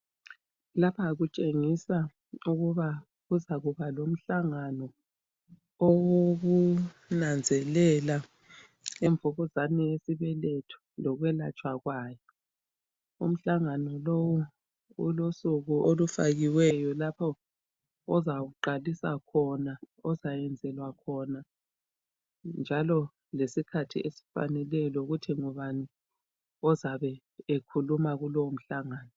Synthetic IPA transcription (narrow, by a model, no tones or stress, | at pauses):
lapʰaːɣut͡ʃʼeŋisa | uɣuβa | ɣuzaɣuβalom̩ɬaŋanɔ | owoɣunand͡zʱɛlɛla | ɛɱvʱɔɣɔzanɛjesiβɛletʰu̥lɔɣwɛla̰t͡ʃʼwaɣwajɔ | ṵm̩ɬaŋanɔlowu | ṵlosuɣuʔolufaɣiwɛjɔlapʰɔ | ɔzawuǃalisa̰kʰɔna | ɔzajɛnd͡zʱɛlwakʰɔna | nd͡ʒʱalɔ | lesikʰatʰḭesi̥fa̰nɛlɛlɔuɣutʰiŋɔβani | ɔzaβɛ | ekʰulumaɣulɔwum̩ɬaŋaːnɔ